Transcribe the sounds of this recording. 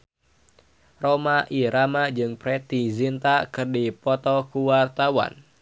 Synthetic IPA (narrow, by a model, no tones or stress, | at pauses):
romaʔiɾamad͡ʒɨŋpɾɛt̪izint̪akɨrdipɔt̪ɔkuwart̪awa̰n